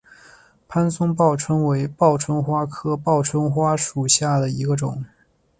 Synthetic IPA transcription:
pʰa˥nsʊ˥ŋp̬ɑ˥˩ʊʈ͡ʂʰɤ˥ŋwe˧˥ɪpɑ˥˩ʊʈ͡ʂʰə˥ŋxwa˥kʰɤ˥pɑ˥˩ʊʈ͡ʂʰə˥ŋxwa˥ʂu˨˩ɕja˥˩d̪ə˩i˧˥ɡə˧ʈ͡ʂʊ˨˩˦ŋ

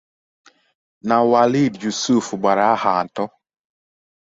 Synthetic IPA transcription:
na˨wa˨li˦˨dd͡ʒu˨su˦˨fba˨ɾa˦ha˨ntɔ˦

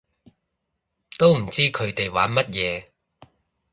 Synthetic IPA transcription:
t̪o˥wm̩˨˩t͡siː˥kʰɵ˨˧ɥt̪e˨jwaː˨˥nmɐ˥t̚jɛː˨˧

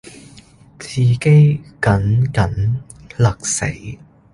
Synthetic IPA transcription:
t͡sʰiː˨ke˥jkɐ˨˥nkɐ˨˥nlɐ˨˩k̚sḛ˨˥j

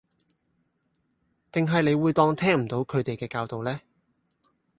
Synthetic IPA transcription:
t̪ɪ˨ŋɦɐ˨jle˨˧jwuː˨˧jt̪ɔː˧ŋt̪ʰɛː˥ŋm̩˨˩t̪o˨˥wkʰɵ˨˧ɥt̪e˨jkɛː˧kaː˧wt̪o˨wlɛː˥

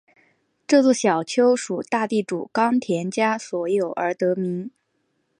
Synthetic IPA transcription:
ʈ͡ʂɤ˥˧t͡swɔ˥˩ɕjɑ˨˩ʊt͡ɕʰjo˥ʊʂu˨˩t̪a˥˧t̪i˥˩ʈ͡ʂṵ˨˩kɑ˥ŋt̪ʰjɛ˧˥nt͡ɕja˥swɔ˧˥jo˨˩ʊʔə˞˧˥t̪ɤ˧˥mi˧˥ŋ

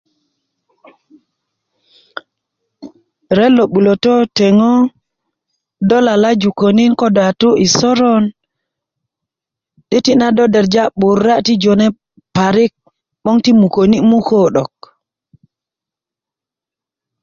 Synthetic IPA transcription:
ɾe˦lo˨ɓu˨lo˨to˦te˨ŋo˦ | do˦la˨la˦d͡ʒu˨ko˨ni˦nko˦da˨tu˦ʔi˨so˦ɾo˦n | di˦ti˦na˦do˦de˨ɾd͡ʒa˦ɓu˨ɾːa˦ti˦d͡ʒo˨ne˦ | pa˨ɾi˦k̚ | ɓo˦ŋti˦mu˨ko˨ni˦mu˦ko˦ɗo˨k̚

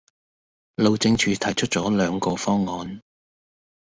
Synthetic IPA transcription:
lo˨wt͡sɪ˧ŋt͡ʃʰyː˨˧t̪ʰɐ˨˩jt͡ʃʰɵ˥t̚t͡sɔː˨˥lœː˨˧ŋkɔː˨˧fɔː˥ŋːɔː˨˧n

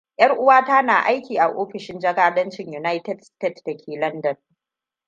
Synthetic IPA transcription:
ʔj̰ʔɐ˦rʔʊ˦waː˦taː˦naː˨ʔa˦jkʲiː˨ʔa˨ʔoː˦ɸɪ˨ʃɪ˦nd͡ʒɐ˦kaː˦dɐ˦nt͡ʃɪ˨ɲju˨na˦jtɛ˦dsteː˦˨tdɐ˨kʲʰeː˨lɐ˦ndɐ˨n

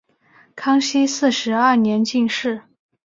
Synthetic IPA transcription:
kʰɑ˥ŋɕi˥sɹ̩˥˩ʂɻ̩˧˥ɐ˥˩njɛ˧˥nt͡ɕi˥˧ŋʂɻ̩˥˩

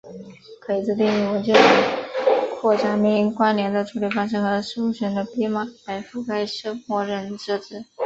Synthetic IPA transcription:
kʰɤ˧˥i˨˩t͡sɹ̩˥˧t̪i˥˩ŋy˧˩wə˧˥nt͡ɕɛ˥˩ʈ͡ʂə˧˥˩kʰwɔ˥˩ʈ͡ʂa˥mi˧˥ŋi˧˥ŋkwa˥nljɛ˧˥nd̪ə˧ʈ͡ʂʰu˧˥li˥˩fɑ˥ŋʂ̬ɻ̩˥˩xɤ˧˥ʂu˥ɕɥɛ˧˥nd̪ə˧pi˥ma˥˩pa˧˥ɪfu˥˩ka˥˩ɪʂɤ˥ŋxwɔ˧˥ɻə˧˥nʈ͡ʂɻ̩˥˩ʈ͡ʂɹ̩˥˩

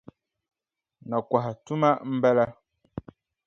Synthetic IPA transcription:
nɔ˨kwa˨ɦa˨tu˦ma˦m̩˦bɛ˦lɛ˦

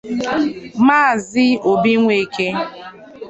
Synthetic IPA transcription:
maː˦˨zɪ˦o˨bi˦ŋʷe˨ke˦

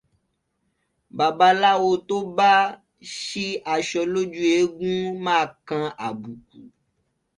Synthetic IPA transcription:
ba˨ba˨la˦wo˦t̪o˦ba˦ | ʃi˦ʔa˨ʃɔ˨lo˦d͡ʒu˦e˦ɡũ˦mã˦˨kã˦ʔa˨bu˨k̚u˨

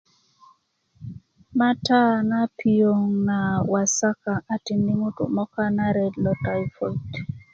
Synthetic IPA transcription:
ma˦ta˦na˦pʰi˦˨o˨ŋna˨wa˨sa˦ka˨ʔa˨ti˨ndi˦mu˦tṵ˨mɔ˦ka˦na˦ɾɛ˨dlɔ˨ta˨jfɔ˨lt

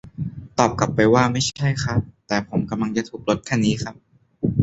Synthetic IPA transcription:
t̪ɔː˨˩p̚ka˨˩pːa˧jwaː˥˩ma˥˩jt͡ɕʰa˥˩jxʰa˦˥t̪ɛː˨˩pʰo˩˦mka˧mla˧ŋt͡ɕa˨˩t̪ʰuː˨˩k̚lo˦˥t̪̚kʰɛː˥˩niː˦˥xʰa˦˥p̚

